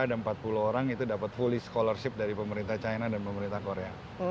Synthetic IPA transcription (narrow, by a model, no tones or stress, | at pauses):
adanmpat̪̚puluɦoɾaŋit̪udapət̪̚fulɪhsə̥kolərsɪp̚daɾipəməɾint̪aht͡ʃajnadanpəməɾint̪ahkoɾea